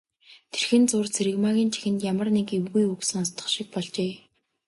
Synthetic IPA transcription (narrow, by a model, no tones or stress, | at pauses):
t̪ʰerxɘ̆nt͡sʊːrt͡sʰeɾɘ̆ɣmaɣʲiːnt͡ɕʰi̥xɘ̆nt̪jamə̆rnekewɣujuksɵ̆ŋɔst̪ə̥̆χʃik̚pɔɮt͡ɕeː